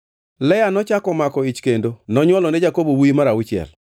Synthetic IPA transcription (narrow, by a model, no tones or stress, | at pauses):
lɛjanɔt͡ʃakɔmakɔit͡ʃkendonɔɲwɔlɔnɛd͡ʒakobowimaɾawɪt͡ʃɛ̰l